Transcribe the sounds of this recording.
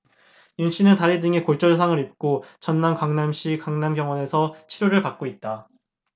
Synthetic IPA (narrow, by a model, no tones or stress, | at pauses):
junɕʰinɯntaɾidɯŋekoɭt͡ɕ͈ʌs̬ʰaŋɯɾip̚k͈ot͡ɕʌnːankwaŋnamɕʰikaŋnamɡjʌŋwʌne̞sʰʌt͡ɕʰiɾjoɾɯɭpak̚k͈oit̚t͈a